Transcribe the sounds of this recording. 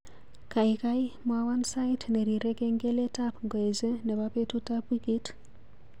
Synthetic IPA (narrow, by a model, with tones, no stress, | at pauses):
ka˨ɪ˨ka˦ɪ˦mwawa˦nsa˦itnɛ˨ɾi˨ɾɛ˦ke˦ŋɡe˦le˦ta˦pŋɡɔ˨e˨ze˦nɛ˨ba˦pe˦tu˦ta˦bi˦ɡi˦t